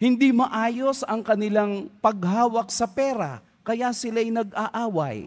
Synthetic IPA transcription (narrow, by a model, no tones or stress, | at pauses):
hɪnd̪imɐʔaːjosɐŋkɐnɪlaŋpɐɡ̚ɦaːwɐk̚sɐpɛːɾa | kɐjasɪlajnɐɡʔaʔaːwɐ̰j